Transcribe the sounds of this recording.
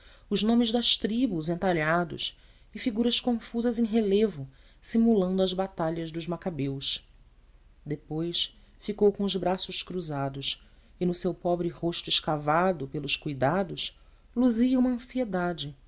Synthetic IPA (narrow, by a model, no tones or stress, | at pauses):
ʊʒnõmɪzd̪ɐʃt̪ɾibuzẽnt̪aʎad̪ʊ̰s | ɪfiɡuɾɐʃkõfuzɐzẽj̃ɦelevʊ | simulɐ̃nd̪ʊɐzbat̪aʎɐzd̪ʊʒmakabews | d̪epojs | fikowkõʊzbɾasʊʃkɾuzad̪ʊʃ | ɪnʊsewpɔbɾɪhoʃt̪ʊɪʃkavad̪ʊpelˠʊʃkujd̪ad̪ʊs | luziɐũmɐɐ̃sied̪ad͡ʒɪ